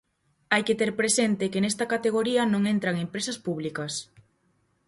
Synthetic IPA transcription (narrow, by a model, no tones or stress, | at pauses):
ajket̪eɾpɾesent̪ɪkenest̪ɐkat̪eɣ̞oɾiɐnõŋent̪ɾɐŋempɾesɐspuβlikɐs